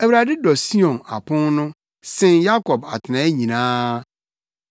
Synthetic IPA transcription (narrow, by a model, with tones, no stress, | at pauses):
æ˨wu˨ɾa˨dɪ˦dɔ˨si˦ɔ̃˨na̰˨pʰʊ̃˦nnʊ̃˦ | sɪ̃˨nja˦kʰɔ˨ba̰˨tʰɪ˨nã˨˦e˦ɲĩ˨nãː˦